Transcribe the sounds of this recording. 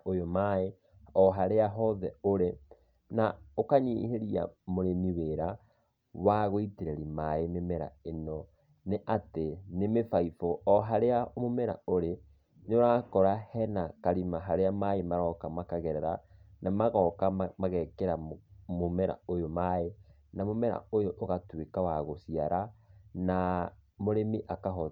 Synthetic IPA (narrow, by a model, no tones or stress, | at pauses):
ojomae | ɔɦaɾeaɦɔðɛoɾe | naokaɲiheɾia̰moɾeniweɾa | waɣoiteɾɛɾimaenemeɾa̰enɔ | neʔatenemefaifɔɔɦaɾeamomɛɾa̰oɾe | neoɾakɔɾahɛnakaɾimaɦaɾeamaemaɾɔkamakaɣɛɾɛɾanamaɣɔkamaɣɛkeɾamomɛɾa̰ojomae | namomɛɾa̰ojoʔːɣatwekawaɣosiaɾanamoɾemiʔakaɦɔ